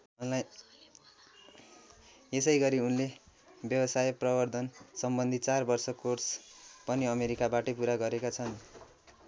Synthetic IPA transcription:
ʌla | esʌjɡʌɾiunlebjʌbʌsajʌprʌbʌrd̪ʱʌnsʌmbʌnd̪ʱit͡sarbʌrsʌkorspʌniʌmeɾikabaʈʌpuɾaɡʌɾekat͡sʰʌn

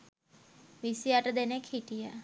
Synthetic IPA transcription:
ʋisijaʈad̪enekʰiʈija

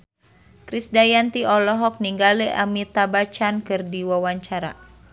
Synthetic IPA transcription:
kɾisdajant̪iɔlɔɦɔk̚niŋɡalɛʔamit̪abat͡ʃankɨrdiwawaɲt͡ʃaɾa̰

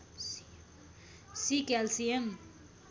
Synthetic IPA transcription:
sikɛlsiem

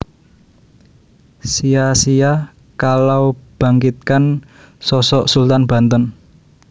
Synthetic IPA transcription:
sijasija | kalawb̥ä̤ŋkit̪̚kan | sɔsɔʔsult̪anb̥ä̤nt̪ən

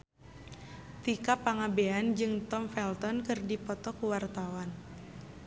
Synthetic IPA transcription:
t̪ikapaŋabeand͡ʒɨŋt̪ɔmfɛlt̪ɔnkɨrdipɔt̪ɔkuwart̪awan

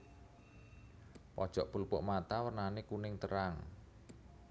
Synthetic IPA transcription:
pɔd̥ʒ̥ɔʔpulpʊʔmat̪awərnanekunɪŋt̪əɾaŋ

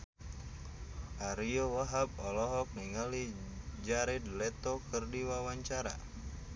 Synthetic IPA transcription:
ʔaɾiowaɦab̚ɔlɔɦɔk̚niŋalid͡ʒaɾɛdlɛt̪okərdiwawaɲt͡ʃaɾa̰

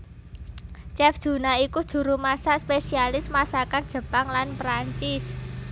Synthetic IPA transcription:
t͡ʃɛfd̥ʒ̥ṳnaikud̥ʒ̥ṳɾumasaʔspesialɪsmasakand̥ʒ̥ə̤paŋlanpɾaɲt͡ʃɪs

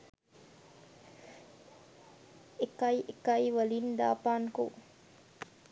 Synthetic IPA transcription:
ekɐjʔekɐiʋɐlind̪a̰ːpaːnko̰

